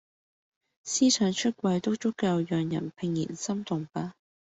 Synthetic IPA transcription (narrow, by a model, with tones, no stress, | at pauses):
siː˥t͡ʃʰœː˨˧ŋt͡ʃʰɵ˥t̚kʷɐ˧jt̪o˥wt͡sʊ˥kːɐ˧wjœː˨ŋjɐ̰˨˩npʰɪ˨ŋjḭː˨˩nsɐ˥mt̪ʊ˨˩ŋpaː˥